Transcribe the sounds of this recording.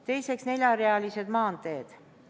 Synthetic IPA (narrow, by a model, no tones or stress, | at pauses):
t̪e̞jse̞ksne̞lʲjɑɾeɑlise̞d̪mɑːnd̪e̞ːd̪̥